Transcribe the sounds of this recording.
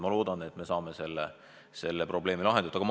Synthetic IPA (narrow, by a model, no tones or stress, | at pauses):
mɑlo̞ːd̪̥ɑne̞t̪ːˑme̞sɑːme̞se̞lːḛ | se̞lːepro̞ble̞ːmilɑɦend̪ut̪ːˑɑɡɑm